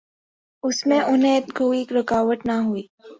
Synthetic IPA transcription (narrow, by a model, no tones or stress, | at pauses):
ʊsmẽʔʊnɦẽɡoːikɾʊkaːʋəʈnaɦuiː